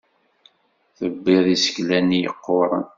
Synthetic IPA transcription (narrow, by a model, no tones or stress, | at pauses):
θəbːɪðˤisə̥çlænijə̰qːoɾˤə̰n